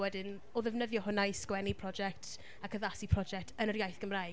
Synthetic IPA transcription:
wɛdɪn | ɔðɛvnəðjɔhʊnajskwɛnipʰrɔd͡ʒɛk̚tʰ | akʰəðasipʰrɔd͡ʒɛk̚tʰənəɾjajθɡ̥əmra

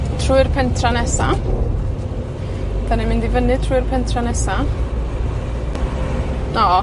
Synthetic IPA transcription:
tʰruɪrpʰɛntʰranɛsa | d̥anɛmɪndivənɨtʰruːɨrpʰɛntʰranɛsa | nɔ

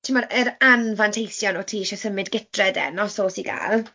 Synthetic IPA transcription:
tʰimɔɾəɾanvantʰejsjɔnɔtʰiːʃɛsəmɪdɡɪtʰrɛdɛ̰nɔsoːsiɡa̰ːlˠ

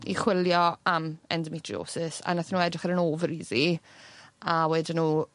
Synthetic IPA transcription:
ḭχwɪljɔamɛ̰ndəmɪtʰrḭo̰ːsɪsa̰naθnuːɛdrɪχəɾənoːvɾiːði | awɛːdɪnuː

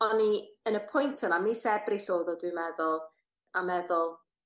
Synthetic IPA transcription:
ɔniənəpʰʊjntʰənamisɛbriɬoːðɔdwɪmɛðʊlˠ | amɛðʊlˠ

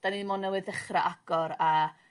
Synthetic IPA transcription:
d̥animɔnəwɪðɛχraʔaɡ̥ɔɾa

